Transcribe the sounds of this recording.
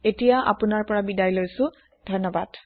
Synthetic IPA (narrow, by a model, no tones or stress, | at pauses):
etijaʔa̰pʊnaɹpɔɹabidajlojsʊ̃ | dʱɔnːɔbad̥